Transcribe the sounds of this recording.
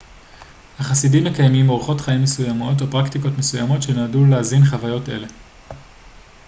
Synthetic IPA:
haχasidimːekajmimo̞ʁχo̞tχaimːesujamo̞t̬opʁaktiko̞tme̞sujamo̞tʃe̞naːduleazinχavajo̞te̞̰le̞

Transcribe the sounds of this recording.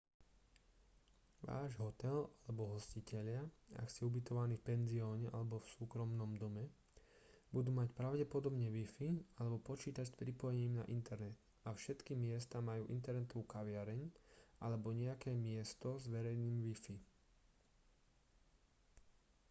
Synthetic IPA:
ʋa̰ːʒɦɔt̪ɛlalɛbɔɦɔscicɛʎɪaa̰kscɛubit̪ɔʋaniːfpɛnziɔːɲɛʔalɛbɔfsuːkɾɔmnɔmd̪ɔmɛ | bud̪uːmacpɾaʊɟɛpɔd̪ɔbɲɛʋifialɛbɔpɔt͡ʃiːt̪acspɾipɔjɛɲiːmna̰ʔint̪ɛɾnɛt̪ | afʃɛt̪kimɪɛst̪amajuːʔint̪ɛɾnɛt̪ɔʋuːkaʋɪaɾɛɲʔalɛbɔɲɛakɛːmɪɛst̪ɔzʋɛɾɛjniːmʋifi

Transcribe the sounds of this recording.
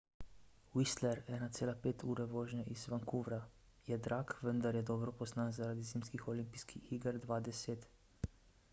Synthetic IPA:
wist̪lɛɾɛːnat̪seːlapeːt̪ʰuːɾɛʋɔːʒnaʔizʋaŋkuʋɾa | jɛd̪ɾakʋənd̪aɾjɛd̪ɔːbɾɔpɔznanzaɾaːd̪iziːmskixɔlimpiskʰixiːɡəɾd̪ʋaːd̪ɛseːt̪

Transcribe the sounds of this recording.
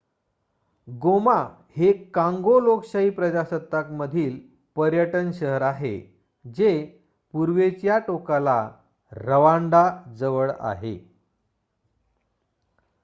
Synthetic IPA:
ɡoma | hekãŋɡolokɕaɦiːpɾəd͡ʑasət̪ːakməd̪ʱiːl | pəɾjəʈənɕəɦəɾaɦe | d͡ze | puɾʋet͡sjaʈokala | ɾəʋaɳɖad͡zəʋəɭa̰ɦḛ

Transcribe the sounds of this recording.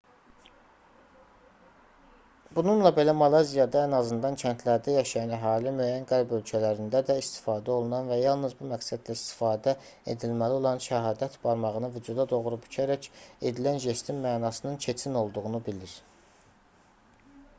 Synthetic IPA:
bununlˠɑbe̞læmɑlˠɑzijɑd̪ɑænɑzɯnd̪ɑncʰænt̪ʰlæɾd̪æjɑʃɑjɑnæɦɑːlimyæːjænɡæɾbø̞lcʰælæɾind̪æd̪æist̪i̥fɑːd̪æo̞lˠunɑnvæjɑlˠnɯzbumæksæd̪læist̪i̥fɑːd̪æ | ḛd̪ilmælio̞lˠɑnʃæɦɑːd̪æt̪b̥ɑɾmɑʁɯnɯvyd͡ʒud̪ɑd̪o̞ʁɾuby̥cʰæɾæce̞d̪ilænʒest̪ʰimmæːnɑsɯnɯncʰe̞t͡ʃʰino̞lˠd̪uʁunubiliɾ

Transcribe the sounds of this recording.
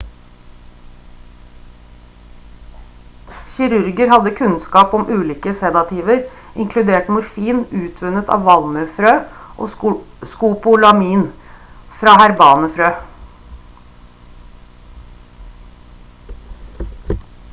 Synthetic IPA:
çɪɾʉɾɡəɾhɑd̪əkʰʉnskɑːpɔmʔʉːliːkəsɛd̪ɑt̪ʰiːʋəɾ | ɪŋkʰlʉd̪eːʈmʊɾfiːnʉːt̪ʰʋʉnət̪ʰɑ̰ːʋʋɑlmœfɾøːʔo̰ːskuːpʊlɑmiːnfɾɑːhæɾbɑːnəfɾøː

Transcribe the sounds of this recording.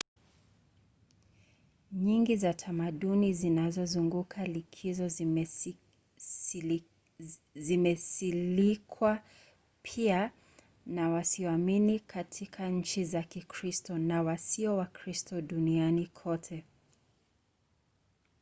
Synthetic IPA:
ɲiŋɡizatʰamaɗunizinazɔzuŋɡukʰalikʰizɔ | zimɛsilikʰwa | pʰia | nawasiɔaminikʰatʰikʰaɲ̩t͡ʃizakikʰɾistɔnawasiɔwakɾistʰɔɗunianikʰɔtʰɛ

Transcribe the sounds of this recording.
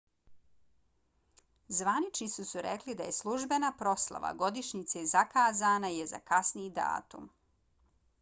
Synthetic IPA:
zʋanit͡ʃnisusuɾeklid̪aje̞slˠuʒbenapɾo̞slˠa̰ʋa̰ɡo̞d̪iʃɲit̪sezakaːzaːnajeza̰kasniid̪a̰ːt̪um

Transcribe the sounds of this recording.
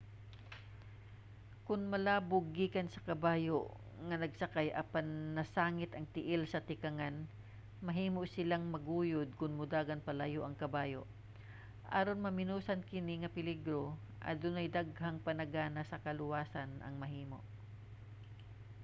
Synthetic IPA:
kʊnmɐlaːbʊɡːiːkɐnsɐkɐbaːjoʔ | ŋɐnɐɡsɐkajʔɐpanːɐsaːŋɪt̪ɐŋt̪ɪʔɪlsɐt̪ɪkɐŋan | mɐɦiːmoʔsɪlaŋmɐɡuːjʊd̪̚kʊnmʊd̪aːɡɐnpɐlajoʔɐŋkɐbaːjo̰ʔ | ʔa̰ɾonmɐmɪnuːsɐnkɪnɪŋɐpɪlɪɡɾo | ʔɐ̰d̪ʊnɐjd̪aɡ̚haŋpɐnɐɡaːnɐsɐkɐlʊwaːsɐnʔɐ̰ŋmɐɦiːmo̰ʔ

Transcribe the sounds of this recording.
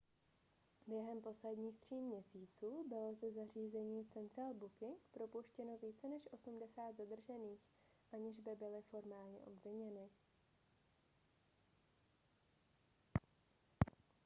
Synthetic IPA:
bjɛɦɛmpo̞slɛdɲiːxt̪r̝̥iːmɲɛsiːt͡suːbɪlozɛzar̝iːzɛɲiːt͡sɛnt̪ɾaːlbukɪŋkpɾopuʃcɛno̞viːt͡sɛnɛʃʔo̞sumdɛsaːd̪zad̪r̩ʒɛniːx | ʔaɲɪʒbɪbɪlɪfo̞ɾmaːlɲɛ̰ʔobvɪɲɛnɪ

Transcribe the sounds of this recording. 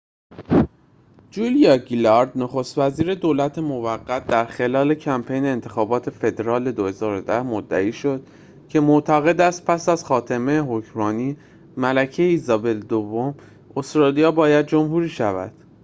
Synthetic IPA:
d͡ʒulijɒɡilɒɾd̪noxo̞st̪væziːɾe̞d̪oːlæt̪ʰe̞mo̞væɡːæt̪̚ʰd̪æɾxe̞lɒːle̞cʰæmpʰe̞jneːnt̪ʰe̞xɒːbɒːt̪ʰe̞fe̞d̪eɾɒːle̞d̪ohe̞zɒːɾod̪æhmod̪ːæ̰iːʃo̞d̪̥ | cʰe̞moʔt̪ʰæɣe̞d̪æst̪̚pʰæsæz̥xɒːt̪ʰemejeɦocʰɾɒːniː | mælæcʰeeiːzɒːbe̞ld̪ovːo̞m | ost̪ɾɒːlijɒːbɒːjæd̪̚d͡ʒo̞mhuɾiːʃævæ̰d̪̥

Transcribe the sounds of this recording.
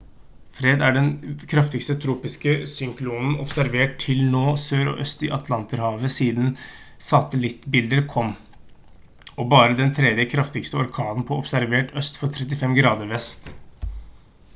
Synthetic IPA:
fɾeːd̪æɖɛnkʰɾɑft̪ɪkst̪ət̪ʰɾuːpɪskəsʏŋkluːnn̩ɔpsæɾʋeːʈt̪ʰɪlnoːsøːɾɔ̰ʔœst̪ɪʔɑt̪ʰlɑnt̪əɾhɑːʋəsiːd̪n | sɑt̪əlɪt̪ːbɪld̪əɾkʰɔmː | ɔbɑːɾəd̪ɛnt̪ʰɾɛd̪jəkʰɾɑft̪ɪkst̪əɔɾkʰɑːd̪n̩pʰɔɔpsæɾʋeːʈœst̪fɔt̪ʰɾɛt̪ɪfɛmɡɾɑːd̪əɾʋɛst̪

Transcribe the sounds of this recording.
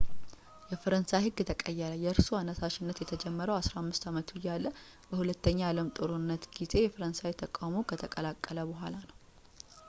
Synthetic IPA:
jɛfəɾənsajhɨɡːt̪ʰəkʼəjːɛɾəjɛɨɾsuanːəsaʃɪnːət̪jɛt̪ʰəd͡ʒɛmːəɾəwasɾahamːɨst̪amət̪ʰuɪjːalːə | b̥əhulət̪ːəɲːaaləmt̪ʼɨɾunːət̪ɡ̥ize̞jɛfəɾənsawt̪ʰəkʼawmokʰət̪ʰəkʼəlakʼːələbəɦʷalanəw

